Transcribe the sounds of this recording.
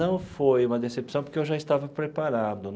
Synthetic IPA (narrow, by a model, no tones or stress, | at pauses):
ɐ̃w̃fojũmɐd̪esepsɐ̃w̃poɾkeewʒaist̪avɐpɾepaɾad̪ʊ